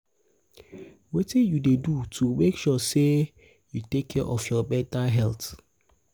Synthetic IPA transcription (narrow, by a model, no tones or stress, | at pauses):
wetijudedutʰumekʃɔse | jutekʰːɛʔɔfjɔbɛtaɦɛlt